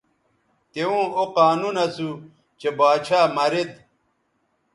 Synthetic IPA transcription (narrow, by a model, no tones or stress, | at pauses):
t̪eũːoqaːnunɐsu | t͡ɕebaːɕʰaːmɐɾed̪